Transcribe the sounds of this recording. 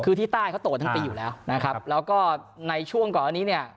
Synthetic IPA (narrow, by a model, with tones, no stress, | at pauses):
kʰɯː˧t̪ʰiː˥˩t̪aː˥˩jkʰt̪o˨˩t̪̚ːʰa˥piː˧juː˨˩lɛː˦˥wna˦˥kʰa˦˥lɛː˦˥wkɔː˥˩na˧jt͡ɕʰu˥˩əŋkɔː˨˩na˥˩niː˦˥ni˥˩ɐ